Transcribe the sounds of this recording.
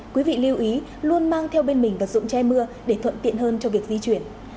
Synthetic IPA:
kwi˨˦vḭ˧˨li˧əwʔi˨˦ | lu˧ənmaː˧ŋt̪ʰɛ˧wɓe˧nmï˨˩ŋ̟və˨˩t̚zʊ̰˧˨ŋ͡mt͡ɕɛ˧jmɨ˧əɗe˧˩t̪ʰwə̰˧˨nt̪ḭ˧˨ənɦəː˧nt͡ɕɔ˧vi˨˩ək̚zi˧t͡ɕwi˧˩ən

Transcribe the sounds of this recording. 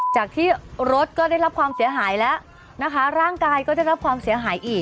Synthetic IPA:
t͡ɕaː˨˩k̚t̪ʰiː˥˩ɾo˦˥t̪̚kɔː˥˩daː˥˩jɾa˦˥p̚kʰwaː˧msi˩˦ɐɦaː˩˦jlɛ˦˥ʔ | na˦˥kʰa˦˥ɾaː˥˩ŋkaː˧jkɔː˥˩da˥˩jɾa˦˥p̚kʰwaː˧msi˨˩˦ɐɦaː˩˦jʔiː˨˩k

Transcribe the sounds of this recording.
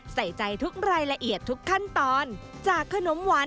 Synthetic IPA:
sa˨˩jt͡ɕa˧jt̪ʰu˦˥k̚ɾaː˧jla˧ʔi˨˩ət̪ʰːu˦˥kʰːa˥˩nt̪ɔː˧n | t͡ɕaː˨˩kʰːa˧no˩˦mwa˦˥

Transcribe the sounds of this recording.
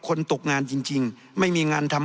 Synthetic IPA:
kʰo˧nt̪o˨˩k̚ŋaː˧nt͡ɕi˧ŋt͡ɕi˧ŋ | ma˥˩jmiː˧ŋaː˧nt̪ʰa˧m

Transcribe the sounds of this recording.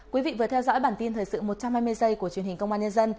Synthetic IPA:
kwi˨˦vḭ˧˨vɨ˨˩ət̪ʰɛ˧wzɔ̰˧˥jɓaː˧˩nt̪i˧nt̪ʰəː˨˩jsɨ̰˧˨mo˨˩t̚t͡ɕa˧mhaː˧jmɨ˧əjzə˧jku˧˩ət͡ɕwi˧˩ənhi˨˩ŋkə˧wŋ͡mʔaː˧ɲə˧nzə˧n

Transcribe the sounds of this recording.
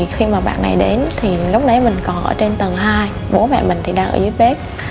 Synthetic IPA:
xi˧maː˨˩ɓa̰ː˧˨nːa˨˩jɗe˨˦nt̪ʰi˨˩lə˨˦˥wk͡p̚nə˨˦jmï˨˩ŋ̟kɔ˨˩nʔəː˧˩t͡ɕe˧nt̪ə˨˩nɦaː˧j | ɓo˨˦mɛ̰˧˨mï˨˩ŋ̟t̪ʰi˨˩ɗaː˧ŋʔəː˧˩zu˨˦əj̚ɓe˦˥p̚

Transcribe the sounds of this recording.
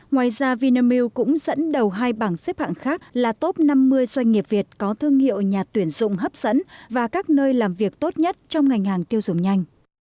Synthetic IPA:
ŋwaː˨˩jzaː˧vi˧na˧mi˧wkʊ̰˧˥ŋ͡mz̥ə̰˧˥nɗə˨˩wɦaː˧jɓaː˧˩ŋse˦˥p̚ha̰ː˧˨nxaː˦˥k̚laː˨˩t̪o˦˥p̚na˧mːɨ˧əjzwa˧jŋ̟ŋi˨˩əp̚vi˨˩ət̚kɔ˨˦t̪ʰɨ˧əŋhḭ˧˨əwɲaː˨˩t̪wi˧˩ənzʊ̰˧˨ŋ͡mɦə˦˥p̚z̥ə̰˧˥nvaː˨˩kaː˦˥k̚nəː˧jlaː˨˩mvi˨˩ək̚t̪o˦˥t̚ɲə˦˥t̚t͡ɕɔ˧wŋ͡mŋa˨˩jŋ̟haː˨˩ŋt̪i˧əwzʊ˨˩ŋ͡mɲa˧jŋ̟

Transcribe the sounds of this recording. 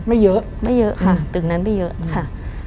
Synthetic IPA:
ma˧˦˩jəː˨˦ | ma˧˩jəː˨˧˦kʰa˧˩t̪ɨ˨˩na˧˥nma˧˩jəː˨˦kʰa˥˩ʔ

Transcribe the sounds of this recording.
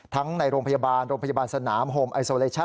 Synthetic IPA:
t̪ʰa˦˥ŋna˧jɾoː˧ŋpʰa˧jaː˧baː˧nɾoː˧ŋpʰa˧jaː˧baː˧nsa˧naː˩˦mɦoː˧mʔa˧jsoː˧leː˧t͡ɕʰa˥˩

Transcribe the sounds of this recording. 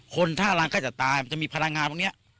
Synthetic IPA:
kʰo˧nt̪ʰaː˥˩˧laː˧ŋkɔː˥˩t͡ɕa˨˩t̪aː˧jma˧nt͡ɕa˨˩ʔmiː˧pʰa˧ɾa˧ŋaː˧nt̪ʰːni˦˥ɐ

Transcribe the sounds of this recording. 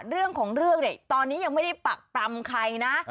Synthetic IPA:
ɾɯ˥˩əŋkʰɔː˩˦ŋɾɯ˥˩əŋni˧˨˩jt̪ɔː˧nːiː˦˥ja˧ŋma˥˩jda˥˩jpa˨˩k̚pɾa˧mkʰa˧jna˦˥ʔ

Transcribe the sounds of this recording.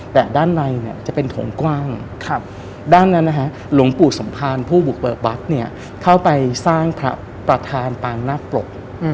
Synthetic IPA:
t̪ɛː˨˩daː˥˩nɾa˧jni˥˩ɐt͡ɕa˨˩ʔpe˧nt̪ʰo̰˨˩˦ŋkwaː˥˩ŋʰ˧ | daː˥˩nːa˦˥nːa˦˥kʰa˦˥ | lu˩˦ŋpu˨˩t̚so˩˦mpʰaː˧npʰuː˥˩bu˨˩k̚bɤː˨˩t̪̚wa˦˥t̪̚ni˥˩ɐ | kʰa˥˩wpa˧jsaː˥˩ŋpʰɾa̰˦˥ | pɾa˧t̪ʰaː˧npaː˧ŋnaː˥˩plo̰˨˩k̚

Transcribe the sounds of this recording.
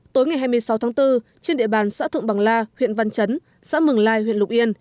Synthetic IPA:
t̪o˨˦jŋa˨˩jɦaː˧jmɨ˧əjsa˨˦wt̪ʰaː˨˦ŋt̪ɨ˧ | t͡ɕe˧nɗḭ˧˨əɓaː˨˩nsa̰ː˧˥t̪ʰɨ̰˧˨ŋɓa˨˩ŋlaː˧hwḭ˧˨ənva˧nt͡ɕə˨˦n | sa̰ː˧˥mɨ˨˩ŋlaː˧jɦwḭ˧˨nlʊ˨˩k͡p̚ʔi˧ən

